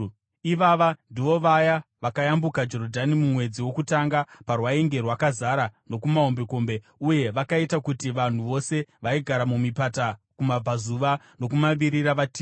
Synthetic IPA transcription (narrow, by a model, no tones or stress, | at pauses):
iʋaʋandiʋo̞ʋajaʋakajambukad͡ʒo̞ɾodʱanimumwe̞d͡ziwo̞kutaŋɡaparwaeŋɡe̞rwakazaɾano̞kumao̞mbeko̞mbe̞ | uje̞ʋakaitakutiʋan̤uʋo̞se̞ʋaiɡʱaɾamumipatakumab͡vʱazuʋa | nokumaʋiɾiɾaʋatiː